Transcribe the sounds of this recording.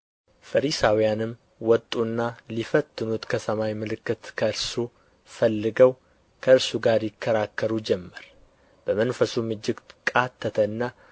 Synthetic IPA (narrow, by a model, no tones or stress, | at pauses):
fəɾisawijanɨm | wɔt̪ʼːunːalifət̪ːɨnut̪kʰəsəmawjmɨlɨkːɨt̪kʰəɨɾsu | fəlːɨɡəw | kʰəɨɾsuɡaɾjɪkʰːəɾakːəɾud͡ʒɛmːəɾ | b̥əmənfəsumɨd͡ʒːɪɡkʼat̪ʰːət̪ʰənːa